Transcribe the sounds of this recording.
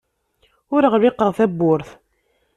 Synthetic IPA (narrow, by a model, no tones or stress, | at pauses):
ʊɾəʁɾɪqːəʁˤθæbːʊɾθ